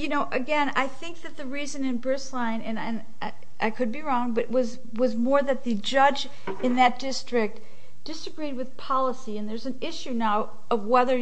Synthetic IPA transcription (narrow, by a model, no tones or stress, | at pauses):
jɨnoʊʔɨɡɛ̃na̰ɪθɪ̃ŋk̚ðɨt̪̚ðɨɹizɨ̃nɨ̃nbɹɪslãɪ̃nɨ̃nɨ̃n | ɪ | ʔaɪkʰɨd̚biɹɔ̃ŋbʌɾɨʔwʌz | wʌzmɔɹðɨt̪̚ðɨd͡ʒʌd͡ʒ | ɨ̃nðɨt̚d̥ɪstɹ̥ɪk̚t | d̥ɪsɨɡɹid̚wɨð̥pʰɑlˠəsiɨ̃nðə˞zɨ̃nɪʃʉnaʊ | ʔʌvwɛðə˞